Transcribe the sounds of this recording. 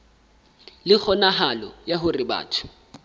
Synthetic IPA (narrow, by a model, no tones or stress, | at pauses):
lɪk͡xʰɔnaɦalɔ̰jaɦʊrɪba̰ːtʰʊ̥